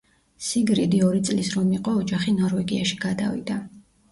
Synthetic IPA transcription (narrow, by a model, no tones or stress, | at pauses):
siɡɾid̪iɔɾit̪sʼlisɾɔmiqʼɔːd͡ʒaχinɔɾvɛɡiaʃi̥ɡad̪avḭd̪a